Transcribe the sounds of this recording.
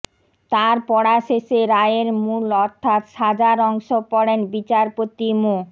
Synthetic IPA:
t̪aɾpɔɽaʃeʃeɾaeeɾmulɔɾt̪ʰat̪ʃad͡ʑaɾɔŋʃopɔɽenbit͡ɕaɾpot̪imu

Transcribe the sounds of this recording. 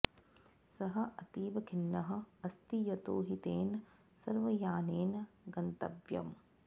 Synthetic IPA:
sɐɦɐ̆ʔɐt̪iːʋɐɡʰʱinːɐɦɐ̆ɐst̪ijɐt̪oːɦit̪eːn | sɐɾʋɐjaːneːnɡɐnt̪ɐ̰bjɐ̰m

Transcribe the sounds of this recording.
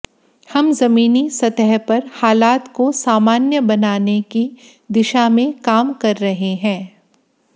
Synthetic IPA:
hɐmzɐmiːnisɐt̪ɛɦpɐɾhaːlaːt̪kosaːmaːnjəbɐnaːneki | d̪ɪʃamẽkaːmkɐɾːɐɦeɦɛ̃ː

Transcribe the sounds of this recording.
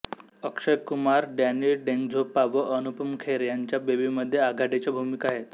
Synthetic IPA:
əkʂəjkumaɾɖanilɖẽŋɡd͡zʱopaʋəʔənupəmkʰeɾjaɲt͡ɕjabebiməd̪ʱːjeaɡʱaɽet͡ɕjabʱumikaɦet̪

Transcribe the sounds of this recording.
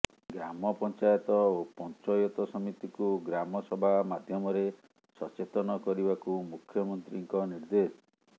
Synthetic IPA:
ɡɾamɔpɔnt͡ʃajɔt̪ɔopɔnt͡ʃɔjɔt̪ɔsɔmit̪ikuɡɾamɔsɔbʱamad̪ʱjɔmɔɾe | sɔt͡ʃet̪ɔnɔkɔɾibakumukʰjɔmɔnt̪ɾiŋkɔniɾd̪esɔ

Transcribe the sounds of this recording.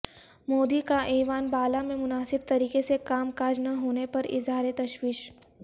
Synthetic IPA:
moːd̪ikaʔeːʋaːnbaːlamẽmʊnaːsɪb̚t̪ɐɾiːkesekaːmkaːd͡ʒnɐɦoːnepɐɾɪ̰zɦaːɾet̪ɐʃwiːʃ

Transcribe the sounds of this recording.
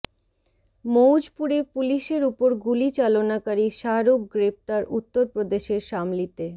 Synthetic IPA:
mowd͡ʑpuɾepuliʃeɾupoɾɡulit͡ɕalonakaɾiʃaɾokɡɾep̚t̪aɾut̪ːoɾpɾod̪eʃeɾʃamlit̪e

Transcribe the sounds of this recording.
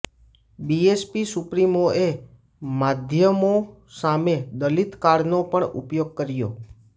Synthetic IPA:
biespisʊpɾimoe | mad̪ʱjəmo | samed̪əlit̪kaɽnopəɳʊ̰pjoɡ̚kəɾjo̰

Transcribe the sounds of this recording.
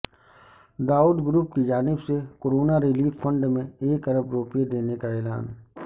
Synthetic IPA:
d̪aːuːɖɡɾuːpkid͡ʒaːnɪbsekoːɾoːnaɾɪliːffɐ̃ɳɖmẽeːkɐɾəbɾoːpjed̪eːnekaɛːla̰ːn

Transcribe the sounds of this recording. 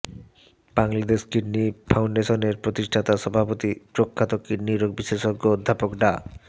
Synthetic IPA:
baŋlad̪eʃkiɾnifʰawɳɖeʃoneɾpɾot̪iʃʈʰat̪aʃɔbʱapot̪ipɾokʰːat̪okːiɾniɾoɡ̚biʃleʃoɡood̪ʱːapokɖa

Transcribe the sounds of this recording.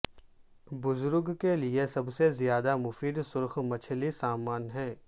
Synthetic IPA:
bʊzʊɾɡkeliesɐbsezjaːd̪amʊfiːd̪sʊɾxmɐt͡ʃʰlisaːmaːnɦɛ̃ː

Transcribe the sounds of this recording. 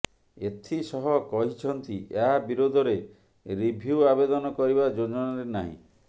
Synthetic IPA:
et̪ʰisɔɦɔkɔɦit͡ʃʰɔnt̪iʔeɦabiɾod̪ʱɔɾe | ɾibʱiuabed̪ɔnɔkɔɾibad͡ʒod͡ʒɔnaɾenaɦḭ̃

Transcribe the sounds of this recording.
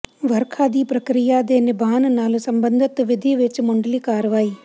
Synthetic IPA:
ʋɐɾkʰaːd̪iːpɾɐkɾijaːd̪eːnɪbʱaːnnaːlusɐmbənd̪ʱɪt̪ʋɪd̪ʱiːʋet͡ʃmʊɳɖəliːkaːɾʋaːiː

